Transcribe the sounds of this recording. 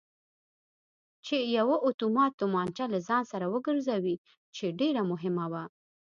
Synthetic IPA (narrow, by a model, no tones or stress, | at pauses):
t͡ʃejawaʔot̪umɑt̪ːʊmɑnt͡ʃalazɑnsaɾawəɡəɾzawi | t͡ʃeɖeɾamʊɦɪmawa